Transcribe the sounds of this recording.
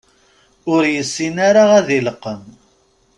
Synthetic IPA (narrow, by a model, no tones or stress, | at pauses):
ʊɾjəsːinaɾaʁæðiləqːəm